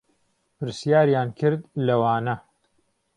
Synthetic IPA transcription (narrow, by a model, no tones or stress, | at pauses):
pɨɾsjaːɾjaːnkʰɨɾd̪lɐwaːnɐ